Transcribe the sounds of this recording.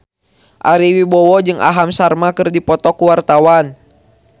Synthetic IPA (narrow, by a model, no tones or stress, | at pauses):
ʔaɾiwibɔwɔd͡ʒɨŋʔa̰ɦamsarmakɨrdipɔt̪ɔkuwart̪awan